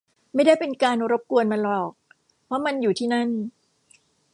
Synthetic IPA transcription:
ma˥˩jda˥˩jpe˧nkaː˧nɾo˦˥p̚ku˧ənma˧nlɔː˨˩k̚ | pʰɾɔ˦˥ma˧njuː˨˩t̪ʰiː˥˩na˦˥˩n

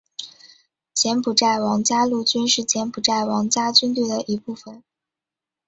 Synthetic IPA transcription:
t͡ɕʰjɛ˧˥npʰu˨˩ʈ͡ʂa˥˩ɪwɑ˧˥ŋt͡ɕja˥lu˥˩t͡ɕy˥nʂɻ̩˥˩t͡ɕjɛ˧˥npʰu˨˩ʈ͡ʂa˥˩ɪwɑ˧˥ŋt͡ɕja˥t͡ɕy˥nt̪wi˥˩d̪ə˩ʔi˧˥pu˥˩fə˨˩n

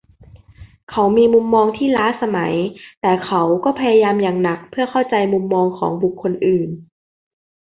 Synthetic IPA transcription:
kʰa˨˦wmiː˧mu˧mːɔː˧ŋt̪ʰiː˥˩laː˦˥sa˧ma˩˦jt̪ɛː˨˩kʰa˨˦wkɔː˥˩pʰa˧ja˧jaː˧mjaː˨˩ŋna˨˦k̚pʰɯ˥˩ɐkʰa˥˩wt͡ɕa˧jmu˧mːɔː˧ŋkʰɔ̰ː˩˦ŋbu˨˩kʰːo˧nʔɯː˨˩n

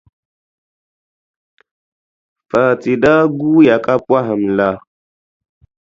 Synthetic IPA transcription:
fa˨ti˨da˦ɡu˦ja˨ka˦pwa˦ɦə˨mla˦

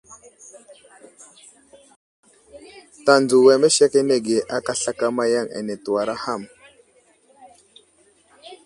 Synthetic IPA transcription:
ta˨nd͡zu˨we˨me˦ʃe˦ke˦ne˨ɡe˨ʔa˦ka˦˨ɬa˦ka˦ma˦ja˦˨ŋḛ˨ne˨tu˨wa˨ɾa˦ha˦˨m

